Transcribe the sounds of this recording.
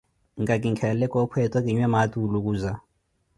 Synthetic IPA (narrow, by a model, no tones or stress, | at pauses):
ŋɡak̬ʼiŋkʰɛlɛkʼɔpʰwɛtʼwak̬ʼiɲwɛmatʼuluk̬uːza